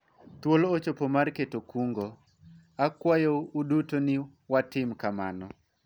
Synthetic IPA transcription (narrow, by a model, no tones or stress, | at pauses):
t̪wolːt͡ʃopomarketokuŋɡo | akwajoudutonɪ | watɪmkama̰nɔ